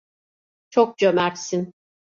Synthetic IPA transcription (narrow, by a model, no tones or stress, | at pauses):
t͡ʃʰok̚d͡ʒømæɾsin